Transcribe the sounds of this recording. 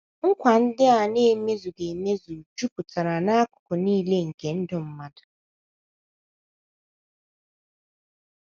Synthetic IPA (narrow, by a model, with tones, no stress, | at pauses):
ŋ̩˦kʷa˨n̩˦dɪ˦a˨ne˦me˦zu˨ɡe˨me˦zu˨d͡ʒu˦pu˨ta˨ɾa˨na˦a˦kʊ̥˨kʊ˨niː˦le˦ŋ̩˨ke˨n̩˦dʊ˨m̩˦ma˦dḁ˨